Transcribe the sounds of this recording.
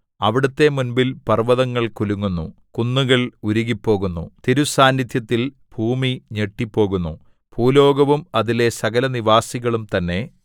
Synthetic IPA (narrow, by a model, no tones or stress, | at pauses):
ɐʋiɽɐt̪ːe̞munbilpɐrʋɐðɐŋːɐɭkuluŋːunːṵkunːuɣɐɭuɾuɣipːo̞ːɣunːṵt̪iɾusaːnjid̪ʰʱjɐt̪ːil | b̥ʱuːmiɲeʈːipːo̞ːɣunːu | b̥ʱuːlo̞ːɡɐʋumɐðile̞sɐɣɐlɐniʋaːsiɣɐɭumt̪ɐnːe̞